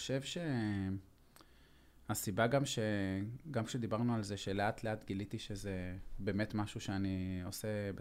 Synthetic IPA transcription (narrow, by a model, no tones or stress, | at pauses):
o̥ʃe̞vʃe̞ | asibaɡamʃe̞ɡamkʃe̞d̪ibaʁnualze̞ʃe̞leatleat̪ɡilitiʃe̞ze̞be̞ːme̞tmaʃuʃeanio̞sebe